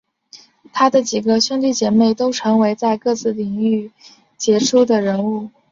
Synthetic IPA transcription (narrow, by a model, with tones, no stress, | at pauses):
t̪ʰa˥d̪ə˨t͡ɕi˨˩ɡə˦ɕɔ˥ŋt̪i˥˩t͡ɕjɛ˧˥me˥˩ɪt̪o˥ʊʈ͡ʂʰɤ˧˥ŋwe˧˥ɪt͡sa˥˧ɪkɤ˥˧t͡sɹ̩˥˩li˨˩ŋy˥˩ | t͡ɕjɛ˧˥ʈ͡ʂʰu˥d̪ə˨ɻə˧˥nu˥˩